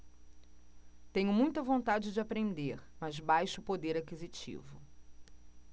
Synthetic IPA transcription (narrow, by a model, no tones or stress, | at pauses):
t̪ẽɲʊmũj̃t̪ɐvõnt̪ad͡ʒɪd͡ʒɪapɾẽnd̪eɾmɐzbajʃʊpod̪eɾakizit͡ʃḭvʊ